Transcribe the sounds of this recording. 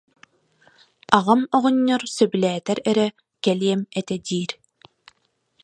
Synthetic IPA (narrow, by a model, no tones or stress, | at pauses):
aʁɯmɔʁɔɲːɔɾsœbylɛːt̪ɛɾɛɾɛ | kɛliɛmɛt̪ɛd̪iːɾ